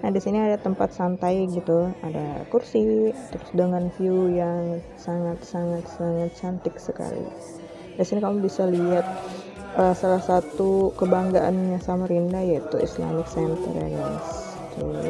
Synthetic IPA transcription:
nadisiniadat̪əmpat̪̚sant̪ajɡit̪ua̰da̰kursit̪əɾʊsdəŋanfiujaŋ | saŋat̪saŋat̪saŋat̪̚t͡ʃant̪ɪksəka̰lḭ | disinikamubisaliat̪̚ | ʔəsalahsat̪ukəbaŋɡaʔa̰nɲasamaɾindajait̪uḭsla̰mɪksɛnt̪ə̰rja̰ɡa̰js | t̪ṵ

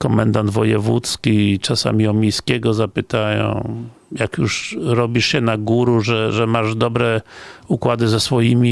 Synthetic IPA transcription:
kɔmɛnd̪and̪vɔjɛvṵt̪skʲit͡ʂasa̰mʲiɔmʲejskʲɛɡɔzapɘt̪ajɔ̰̃w̃ | jakjuʂɾɔbʲiʂɕɛnaɡuɾuʐɛʐɛmaʐd̪ɔbɾɛukwad̪ɘzɛsfɔjimʲi

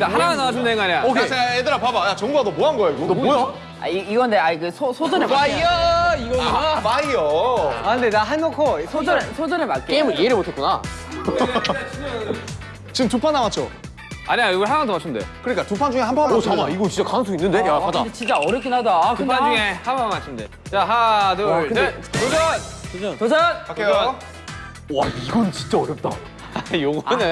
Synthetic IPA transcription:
taɦanaɡanamat͡ɕʰundeŋɡaɲaokʰesʰeaedɯɾapabajat͡ɕʌŋɡuadomoɦanɡʌjaiɡodooja | a̰iiɡʌndeaiɡɯsʰosʰod͡ʑʌneaiʌiɡʌmaioɯndedaɦanɡʌkʰosʰod͡ʑʌnsʰod͡ʑʌnemat̚k͈eeimɯnieɾɯmotʰet̚kuna̰ | t͡ɕiɯmtupʰanːamat͡ɕʰo̰ | aɲiajoɡʌɭɦamaŋntʰomaɕʰindḛkɯɲik͈atupʰand͡ʑuŋe̞hampʰanot͡ɕamaiɡot͡ɕint͡ɕakanɯŋsʰoinːɯndeakʰadat͡ɕint͡ɕ͈aʌɾjʌpk͈ʰinɦadatupʰand͡ʑuŋehamamaɕʰinde | t͡ɕaɦadokɯnddetod͡ʑʌ | tod͡ʑʌnake | wa̰iɡʌnt͡ɕi̥nt͡ɕ͈aʌɾjʌp̚t͈a | joɡnɯ

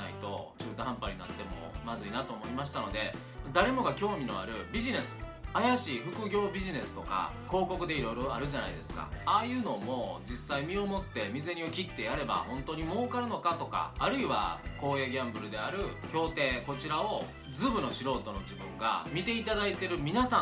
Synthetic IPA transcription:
a̰it̪o̞t͡ɕɨːt̪oɦãmpaɾʲina̰t̪ːe̞mo̞̰mazɨinat̪o̞ːmo̞imaɕ̬i̥t̪ano̞d̪e̞ | d̪aɾe̞mo̞ɡakʲo̞ːmʲino̞̰a̰ɾɯ̟bʲiʑine̞sɨ̥ | ajaɕiɸɯ̟kɯ̟ɡʲo̞ːbʲiʑine̞sɨ̥t̪o̞ka̰ | ko̞ːko̞kɯ̟d̪e̞iɾo̞jɾo̞aɾɯ̟ʑana̰id̪e̞sɨ̥ka̰aːjɯ̟ːno̞ːmo̞d͡ʑisːaimʲio̞mo̞t̪ːe̞mʲize̞ɲ̟iokʲit̪ːe̞jaɾe̞ba̰hõ̞nt̪o̞ːɲ̟imo̞ːkaɾɯ̟no̞kat̪o̞ka̰ːɾɯ̟iβa̰ko̞ːeɡʲãmbɯ̟ɾɯ̟d̪e̞aɾɯ̟kʲo̞ːt̪e̞ːko̞t͡ɕiɾao̞ | d͡zɨːbɯ̟no̞ɕiɾo̞ːt̪o̞no̞d͡ʑibɯ̟̃ŋɡa̰mʲit̪e̞it̪ad̪ait̪e̞ɾɯ̟mʲinasã

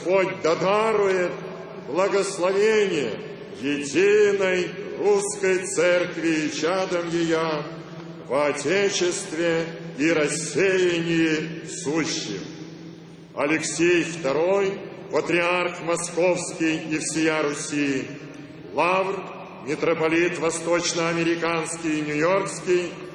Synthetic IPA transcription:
pod̚ʲd̪ɐd̪aɾʊjɪt̪ | blˠəɡəslˠɐvʲenʲɪjə̰ | jɪdʲinəjruskəjt̪sɛrkvʲɪːt͡ɕad̪əmjɪja | vɐtʲet͡ɕɪst̪vʲɪiɾɐsʲːejɪnʲɪjɪfsuɕːɪ̰m | ɐlʲɪksʲejft̪ɐɾoj | pət̪ɾʲɪarxmɐskofskʲijifsʲɪjaɾʊsʲij | lˠavr | mʲɪt̪ɾəpɐlʲit̪vɐst̪ot͡ɕnəɐmʲɪɾʲɪkanskʲɪjnʲʊjorkskʲij

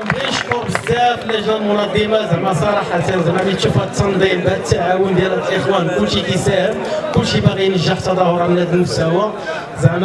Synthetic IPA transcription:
biʃkʊɾbəzæfəlːæʒælmʊnɑd̪ˤːimɑzæmːæsˤɑɾˤɑħæt̪ænzæmːæbit̪ʃufæt̪ːɑnd̪ˤimbæʔt̪ːaʕawənd̪jælælʔəxwænkʊlːʃid̪isæhəmkʊlːʃibaɣijnəʒːəħt̪ɑd̪ˤɑhʊɾˤɑbnæd̪ənəfsæwæ | zæn

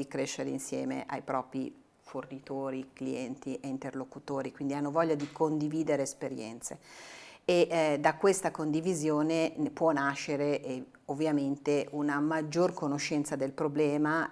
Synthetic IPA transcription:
ikɾeʃːeɾḛinsjɛ̰ːmḛʔajpɾɔːpɾḭ | fornit̪oːɾiklḭɛnt̪iʔeint̪erlokut̪oːɾikwind̪ianːovɔʎːad̪ikond̪iviːd̪eɾeːspeɾjɛ̰nt̪se | eʔd̪akwest̪akond̪ivizjoːnepwɔnaʃːeɾeʔ | ovːjament̪eʔunamad͡ʒːorkonoʃɛnt̪sad̪elpɾoblɛːma

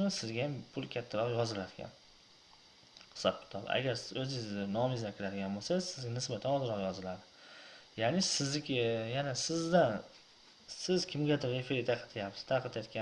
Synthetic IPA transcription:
mɪsɪzɡʲajampʰʊlˠkʲʰat̪ʰːaɾɒqjɒzɪlad̪ɪɡʲa̰n | ɨ̥sat̪̚bɪ̥t̪ʰɒl̰ˠa̰ɡʲaɾɵzɪɪnɒmɪzakʲʰɪɾad̪ɪɡʲanbolˠsasɪzɡʲanɪsbat̪ʰanɒzɨɾɒqjɒzɪlad̪ɪjanɪsɪzlɪkʲjanasɪzd̪an | sɪzkʲʰɪmɡʲad̪ɪɾefɪɾt̪ʰaqʰɑt̪ʰɪjapsɪ̥z̥t̪ʰaqʰɑt̪jat̪̚kʲa

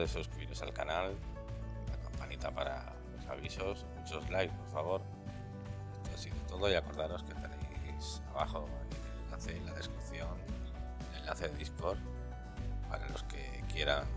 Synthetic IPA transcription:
esuskɾiβiɾo̞sa̰lkanal | lakampanit̪apaɾa̰ | losa̰β̞iso̞smut͡ʃo̞zlajkpo̞ɾfaβ̞o̞ɾ | est̪oasiðot̪o̞ðo̞iako̞ɾðaɾo̞skest̪aɾe̞jsaβaxo̞enelellaθe̞laðe̞skɾipθjo̞n | ele̞nlaθe̞ðeisko̞ɾ | pa̰ɾalo̞̰ske̞̰ | kje̞ɾan

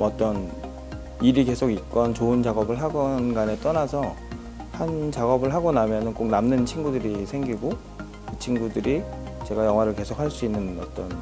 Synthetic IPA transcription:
mʌt͈ʌn | iɾike̞sʰoɡik͈ʌnt͡ɕoɯnt͡ɕaɡʌbɯɭɦaɡʌnɡane̞t͈ʌnasʰʌ | hant͡ɕaɡʌbɯɭɦaɡonamjʌnɯnk͈ok̚namnɯnt͡ɕʰinɡudɯɾisʰeŋɡiɡo | kɯt͡ɕʰinɡudɯɾit͡ɕe̞ɡajʌŋwaɾɯɭke̞sʰokʰaɭs͈uinːɯnʌ̰t͈ʌn

